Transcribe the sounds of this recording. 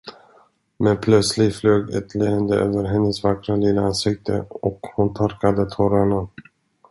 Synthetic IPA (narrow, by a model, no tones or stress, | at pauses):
mɛnpʰlœt̪slɪfløːɡɛt̪ʰleːənd̪əʔø̰ːvəɾɦɛnːəsvakɾalɪləansɪk̚t̪ʰə̰ɔkhʊnt̪ʰaɾkad̪ət̪ʰɔɾaɳa